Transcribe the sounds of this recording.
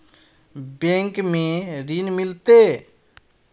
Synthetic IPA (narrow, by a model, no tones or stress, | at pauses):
bẽŋkmẽɾinmɪlt̪e